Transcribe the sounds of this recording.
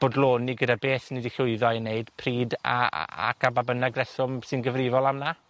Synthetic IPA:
b̥oːdlˠoːnːiɡədabeːθnidiɬʊɨðɔjneɨd̥pʰriːda̰a̰kʰababənaɡrɛsʊmsɨnɡəvrɪvɔlˠamna

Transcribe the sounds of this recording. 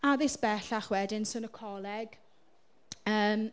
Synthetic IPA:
aðɪsb̥ɛɬaχwɛdɪnsənəkʰɔlɛɡ̥ | əːm

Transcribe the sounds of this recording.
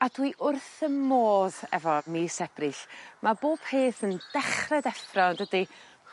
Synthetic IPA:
adwiʔʊrθəmːoːðɛ̰vɔmisɛb̥rɪɬmaboːb̥pʰeːθənd̥ɛχrɛdɛfrɔndədi

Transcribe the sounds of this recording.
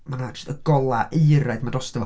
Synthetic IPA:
manadʰɪ̥stəɡ̥ɔlˠaʔejɾaɨdmadɔstɛvɔ

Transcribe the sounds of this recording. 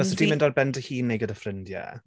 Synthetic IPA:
ɔsɔd̥imɪ̃ndɔrbɛndəhiːnːejɡədəfrɪndjɛ̰

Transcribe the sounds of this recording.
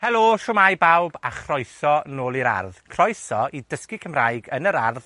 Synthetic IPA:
hɛlˠoːʃʊmajbawbaχrɔjsɔnoːlˠiɾa̰rðkʰrɔjsɔidəskikʰəmrajɡənəɾarð

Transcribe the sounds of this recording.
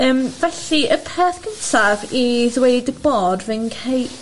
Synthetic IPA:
əːmvɛɬiəpʰɛːθɡ̥ənsaviðwejdəb̥oːdvɪnkʰej

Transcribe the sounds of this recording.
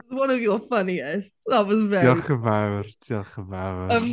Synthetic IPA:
zwʌ̃nɔvjɔfʌniɛstðatwɔzvɛɔχəvawrd̥ʰiɔχəvawəm

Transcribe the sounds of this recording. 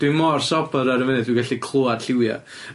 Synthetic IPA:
d̥wimɔrsɔbəɾaɾəvɛnɛdwiɡaɬikʰl̥ˠoad̥ɬɪwja̰

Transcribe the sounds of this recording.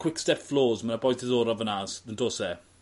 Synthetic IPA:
kʰw̥ɪkstɛfloːzmanabɔjsɪðɔːɾɔvənasðəndoːsɛ

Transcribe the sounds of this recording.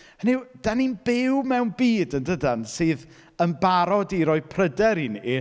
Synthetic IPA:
niwd̥aninbɪwmɛwnbiːdəndədansɨːð | ənbaɾɔdiɾɔɨpʰrədɛɾini

